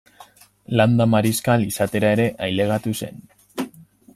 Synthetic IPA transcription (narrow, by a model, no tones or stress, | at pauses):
land̪amaɾiskalisat̪e̞ɾae̞ɾe̞ʔajle̞ɣat̪use̞̰n